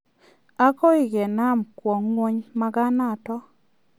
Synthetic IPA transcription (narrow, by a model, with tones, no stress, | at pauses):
a˦kɔ˦ɪ˨ɡɛ˨na˦˨mkwɔ˨ŋːwo˦ɲma˦ɡa˦na˦˨tɔ˦